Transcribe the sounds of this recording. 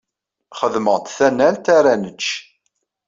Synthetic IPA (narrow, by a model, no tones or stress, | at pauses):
χəðməʁt̪θænːælt̪aɾænət͡ʃː